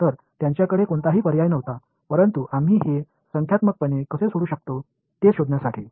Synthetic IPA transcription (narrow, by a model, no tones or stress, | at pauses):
t̪əɾt̪jaɲt͡ɕjakəɽekoɳt̪aɦiːpəɾjajnəʋt̪a | pəɾənt̪uʔam̤iːɦe | səŋkʰjat̪məɡ̚pənekəsesoɽuːɕək̚t̪o | t̪eɕod̪njasaʈʰḭː